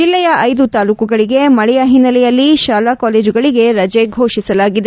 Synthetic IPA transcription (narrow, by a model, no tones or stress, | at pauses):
d͡ʒilːɛjɐʔɐjd̪ut̪aːluːkuɡɐɭiɡe̞mɐɭɛjɐɦinːɐlɛjɐlːiʃaːlakaːleːd͡ʒuɡɐɭiɡe̞ɾɐd͡ʒeɡʱo̞ːʃisɐlaːɡid̪e